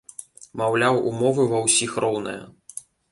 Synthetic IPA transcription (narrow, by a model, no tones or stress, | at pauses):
mawlʲawʔumɔvɨvɐwsʲixɾɔwnɐ̰jɐ̰